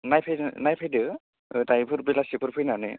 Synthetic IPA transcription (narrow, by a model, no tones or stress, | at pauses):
najpʰajnajpʰajdɯ | ɯtajpʰɯɾbilasipʰɯɾpʰɯjnanɯ̰